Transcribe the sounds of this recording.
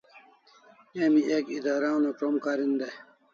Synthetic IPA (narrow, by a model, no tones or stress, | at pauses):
emiʔekid̪aːɾaːnokʈomkaːɾind̪e